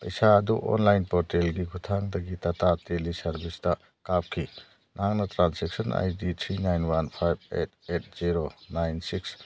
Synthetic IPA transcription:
pɐjsaɐduʔɔ̰nlajnpɔɾtelɡikʰutʰaŋdɐɡitɐtatelisɐɾbʱistɐ | kap̚kʰi | nʔɦaŋnɐtɾanseksɐna̰jditʰɾinajnwanpʰajb̚ḛt̚ʰet̚z̥iɾonajnsiks

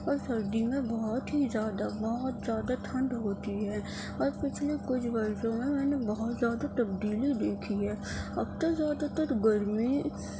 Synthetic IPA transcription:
ɔːɾsɐɾd̪imẽbɔɦɔt̪ɦizjaːd̪abɔɦʊt̪zjaːd̪aʈʰɐ̃ɳɖɦoːt̪iɦɛː | ɔːɾpɪt͡ʃʰlekʊt͡ʃʰbɐɾsõmẽmɛ̃ːnebɐɦʊt̪zjaːd̪at̪ɐb̚d̪iːlid̪eːkʰiɦɛː | ɐb̚t̪əzjaːd̪at̪ɐɾɡɐɾmi

